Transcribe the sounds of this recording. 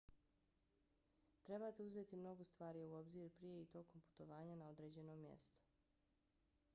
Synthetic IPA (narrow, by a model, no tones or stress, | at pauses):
t̪ɾe̞baːt̪euze̞ːt̪imno̞ɡost̪ʋaːɾiuo̞bziːɾpɾije̞it̪o̞ko̞mpu̥t̪o̞ʋaːɲanao̞d̪ɾe̞ːd͡ʑe̞no̞ːmjḛst̪o̥